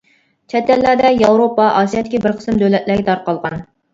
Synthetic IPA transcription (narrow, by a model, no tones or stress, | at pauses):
t͡ʃʰɛt̪ːɛlːæɾd̪ɛjɑwɾopɑʔɑːsijɑd̪ɪkʲibɪɾqʰə̥sɨmd̪ølɛt̪læɡʲɛt̪ʰɑɾqɑlˠʁɑn